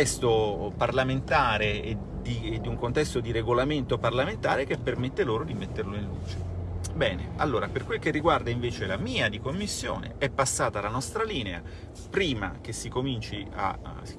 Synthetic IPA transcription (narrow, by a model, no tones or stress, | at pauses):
ɛst̪oparlament̪aːɾee | d̪id̪ːiuŋkont̪ɛst̪od̪iɾeɡolament̪oparlament̪aːɾek̟epːermet̪ːeloːɾod̪imet̪ːerloinlṵːt͡ʃe̥bɛːnḛalːoːɾaperkwelk̟erːiɡward̪aiɱveːt͡ʃelamiːad̪ikomːisːjo̰ːnḛɛpːasːaːt̪alanɔst̪ɾaliːnea̰ | pɾiːma̰k̟esːikomint͡ʃia̰